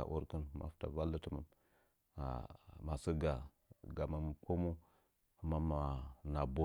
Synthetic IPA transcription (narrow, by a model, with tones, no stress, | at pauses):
a̰˨ʔo̰˦ɾkə˦nma̰˨fta̰˨va˦lə˦tə˨mə˨m | a̰˨ma˨sə˦ɡa˨ | ɡa˨mə˨m˨kʰo˦mu˦ | a˨mːa˦ma˨na˨bo˦